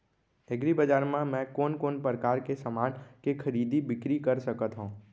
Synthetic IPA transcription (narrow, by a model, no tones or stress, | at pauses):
eɡɾibəd͡ʒaːɾmãmɛ̃koːnkoːnpɾəkaːɾkesəmaːnkekʰɐɾiːd̪ibɪkɾikəɾsɐkət̪ɦũː